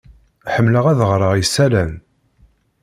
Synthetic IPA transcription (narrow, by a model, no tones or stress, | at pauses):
ħəmːləʁæðəʁɾˤəʁjsːælæn